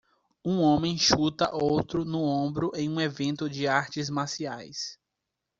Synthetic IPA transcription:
ũõmẽj̃ʃut̪ɐ̰ʔowt̪ɾʊnʊõmbɾʊʔẽj̃ũevẽnt̪ʊd͡ʒɪaɾt͡ʃɪzmasia̰js

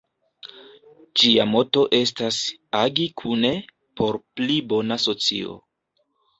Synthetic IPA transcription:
d͡ʒiamo̞to̞ʔe̞stas | aɡikʰune̞ | po̞ɾplibo̞naso̞t͡sḭo̞̰

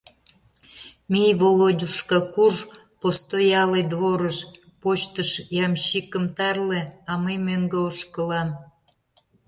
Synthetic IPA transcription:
mʲijβolodʲuʃkɑkuʒ | post̪ojɑled̪βoɾəʃ | pot͡ɕt̪əʃjɑmɕikəmt̪ɑrlĕɑmejmøŋɡeoʃkəlɑm

